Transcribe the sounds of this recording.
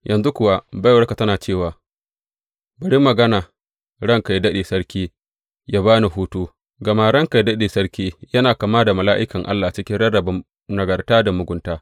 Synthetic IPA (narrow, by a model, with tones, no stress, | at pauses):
jʔɐ˨nzu˦kʷʊ˨wa˦ba˦jwɐ˦ɽka˨tɐ˦naː˨t͡ʃeː˦˨waː˨ | bɐ˨ɽi˦mːɐ˨ɡɐ˦naː˨ | ɽɐ˦˨ŋka˨jdɐ˦ɗeː˨sɐ˦ɽkʲiː˦ | ja˦baː˦ni˨ɦuː˦tuː˦ | ɡɐ˨maː˨ɽɐ˦˨ŋka˨jdɐ˦ɗeː˨sɐ˦ɽkʲiː˦jɐ˦naː˨ka˨maː˦da˨mɐ˨laː˦ʔɪ˦kɐ˨ŋʔa̰˦lːaː˨t͡ʃɪ˦kʲɪ˦ɽɐ˦ɽɐ˨bɐ˦m | nɐ˨ɡɐ˨rtaː˦da˨mʊ˨ɡʷʊ˦ntaː˦